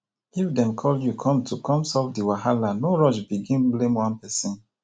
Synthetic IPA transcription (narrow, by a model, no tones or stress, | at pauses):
ifdɛ̃mkʰɔljukʰɔ̃mtʰukɔ̃msɔfdiwaɦalanoɹɔʃbiɡĩnblẽmwãnpɛsĩn